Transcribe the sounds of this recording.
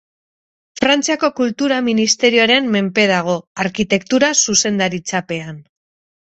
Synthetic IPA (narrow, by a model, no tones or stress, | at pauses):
fɾant͡siako̞kult̪uɾaminist̪e̞ɾio̞aɾe̞mːe̞mpe̞ðaɣ̞o̞aɾkit̪e̞kt̪uɾasuse̞nd̪aɾit͡sape̞an